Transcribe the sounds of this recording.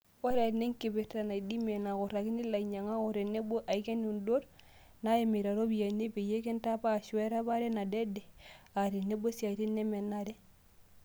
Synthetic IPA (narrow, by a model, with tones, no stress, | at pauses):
o˦ɾe˨ne˦ŋki˨bi˨ta˨na˨i˨di˦me˨na˨ko˨ɾa˨ki˦ni˦la˨i˨ɲa˨ŋa˦o˨ɾe˨ne˦bo˦ʔa˨˦ke˦nu˨ndo˦ɾ | na˦e˨mi˨ɾa˨ɾo˦bi˨ja˨ne˦pe˨je˦ke˦nta˦paː˦˨ʃu˨e˦ɾa˦ba˦ɾe˦na˨de˦de˨a˨ɾi˨ne˦bo˦si˨a˨ɾi˦nːe˦me˨na˦ɾe˦